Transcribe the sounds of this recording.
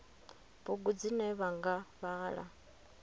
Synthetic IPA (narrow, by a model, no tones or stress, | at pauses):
βuɡud͡zinɛβaŋɡaβaːɺa̰